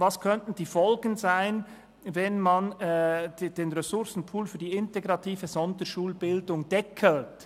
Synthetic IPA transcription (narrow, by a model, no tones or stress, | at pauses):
vɑskʰœntn̩diːfɔlɡən̩zaɪn | vɛnmɑn | d̥eːnʁɛsʊɾsn̩pʰuːlfyːɐdiːɪnteɡʁɑtʰiːvəzɔndəʃuːlbɪldʊŋdɛkʰəlt